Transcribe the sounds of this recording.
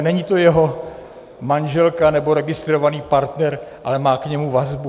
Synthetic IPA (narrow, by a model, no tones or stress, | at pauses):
nɛɲɪt̪o̞jɛɦo̞ | manʒɛlkanɛbo̞ɾɛɡɪst̪ɾo̞vaniːpaɾt̪nɛɾʔalɛmaːkɲɛmuvazbu